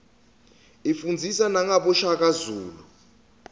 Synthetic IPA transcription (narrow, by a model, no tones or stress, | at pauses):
ifund͡zʱisanaŋaɓɔʃak̬azuːlu